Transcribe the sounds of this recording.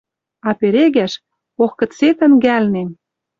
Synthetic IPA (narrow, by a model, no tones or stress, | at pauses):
ɑpeɾeɣæʃ | oxkɤ̆t͡set̪ə̆nɡælnen